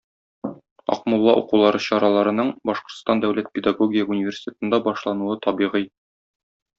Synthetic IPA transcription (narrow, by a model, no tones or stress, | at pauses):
ɒ̰qmulˠːɑʔṵqulˠɑɾɤɕɒɾɑlˠɑɾɤ̆nɤɴbɒʃqŏ̥ɾt̪st̪ɑnd̪æwlæt̪̚pʲed̪aɡoɡʲijəunʲivʲersʲi̥t̪ʲe̞t̪ɤ̆nd̪ɑbɒʃlˠɑnuɤt̪ʰɒbiʁij